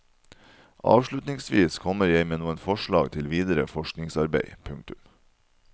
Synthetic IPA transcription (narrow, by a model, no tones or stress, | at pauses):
ʔɑ̰ːʋʃɭʉt̪nɪŋsʋiːskʰɔməɾjeɪmeːnuːənfɔʃɭɑːɡt̪ʰɪlʋiːd̪əɾə̰fɔʃknɪŋsɑɾbḛɪpʰʉŋk̚t̪ʉm